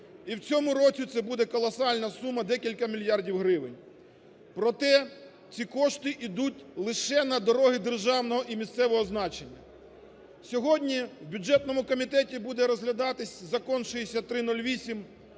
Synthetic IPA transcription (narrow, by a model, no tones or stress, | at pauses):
iwt͡sʲɔmʊɾɔt͡sʲit̪sɛbud̪ɛkɔlˠɔsɑlʲnɐsumɐd̪ɛkʲilʲkɐmʲilʲjɑrdʲiwɦɾɪʋɪnʲ | pɾɔt̪ɛ | t͡sʲikɔʃt̪ɪʔid̪utʲlˠɪʃɛnɐd̪ɔɾɔɦɪd̪erʒɑwnɔɦɔʔimʲist̪sɛʋɔɦɔznɑt͡ʃenʲːɐ | sʲɔɦɔdʲnʲiwbʲʊd͡ʒɛt̪nɔmʊkɔmʲit̪ɛtʲibud̪ɛɾɔzɦlʲɐd̪ɑt̪ɪsʲzɐkɔnʃʊjesʲɐt̪ɾɪnɔlʲʋʲisʲim